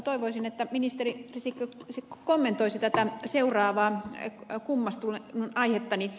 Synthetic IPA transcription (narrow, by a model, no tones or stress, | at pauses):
t̪oiʋoisinet̪ːæminist̪eririsikːøsikomːent̪oisit̪æt̪æseurɑːʋɑː | kumːɑst̪ulenunʔɑihet̪ːɑni